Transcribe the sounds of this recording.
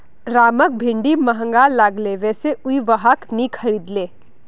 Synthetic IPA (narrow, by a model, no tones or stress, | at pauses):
ɾaːmək̚bʱɪ̃ɳɖiməɦə̃ŋɡalaːɡleʋɛːseʊiʋəɦəknikʰɐɾiːd̪leː